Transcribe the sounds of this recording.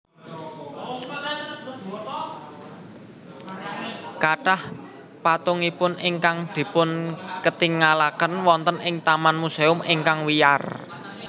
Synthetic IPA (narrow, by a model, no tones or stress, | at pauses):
kaɖ̥ah | pat̪ʊŋipʊnɪŋkaŋd̪̥i̤pʊnkət̪iŋalakənwɔnt̪ənɪŋt̪amanmuseʊmɪŋkaŋwija̰r